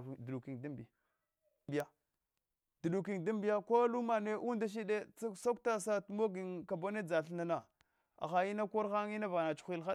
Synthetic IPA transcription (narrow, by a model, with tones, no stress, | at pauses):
dɗu˨ki˨ŋda˦mbi˨ | bi˨ja˨ | d̥u˨ɗu˨k̬i˨ŋda˦mbi˦ja˦ko˦lu˦ma˨ne˦ʔu˦nda˦ʃ̬i˦de˦t͡sso˦k̚ta˦sa˦tmo˦ɡi˨ŋka˨bo˦ne˦d͡za˨ɬna˨na˨ | a̰˨xa˨i˦na˦ko˦ɾxa˦ŋi˦na˦va˨na˨t͡ʃu̥˨xʷi˦lxa˦